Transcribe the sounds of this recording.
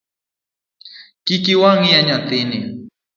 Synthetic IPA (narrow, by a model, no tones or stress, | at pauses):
kɪkɪwaŋijaɲat̪ɪnɪ